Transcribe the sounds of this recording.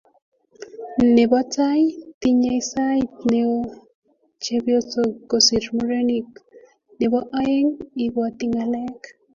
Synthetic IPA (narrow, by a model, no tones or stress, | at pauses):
nebat͡sajt̪iɲajsajt̪neo | t͡ʃebjot͡sokosiɾmoɾenik | nebaʔajeŋiɡwat̪iŋalek